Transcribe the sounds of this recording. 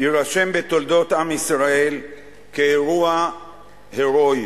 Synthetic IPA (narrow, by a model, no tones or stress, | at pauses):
iʁaʃe̞mbe̞t̪o̞ld̪o̞t̪amisʁae̞l | keːʁua | heʁo̞j